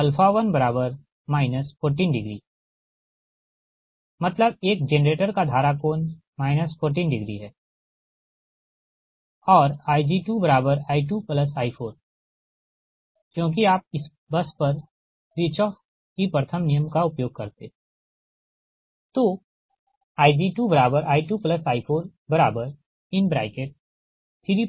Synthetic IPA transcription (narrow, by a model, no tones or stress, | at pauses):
ɐlfʰaʋənbɐɾaːbəɾ | maːɪnəspʰoːɾʈiːnɖɪɡɾḭː | mɐt̪ləbeːk̚d͡ʒenɾeːʈəɾkad̪ʱaːɾakoːn | maːɪnəspʰoːɾʈiːnɖɪɡɾḭɦɛː | ɔːɾaːid͡ʒiːʈuːbɐɾaːbəɾaːiʈuːpləsaːifʰoːn | kjõːk̬iaːp̚ɪs | bɐspɐɾ | ɾɪt͡ʃɔːf | kipɾət̪ʰəmnijəmkaʊpjoːɡ̚kɐɾt̪e | t̪oː | aːɪd͡ʒiːʈuːbəɾaːbəɾʔaːiʈuːpləsaːipʰoːnbɐɾaːbəɾ | ɪnbɾa̰ːɪkeːʈ̚ | t̪ʰiːɾi